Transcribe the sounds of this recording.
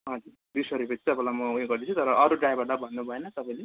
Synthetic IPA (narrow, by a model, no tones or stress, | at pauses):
ɦʌd͡zuɾd̪isʌɾupʌt̪i̥t̪ʌpãlamʌuẽɡʌrd̪it͡sʰut̪ʌɾʌʔʌɾuɖrajbaʈʌbʱʌnːubʱʌenʌt̪ʌpãj̃le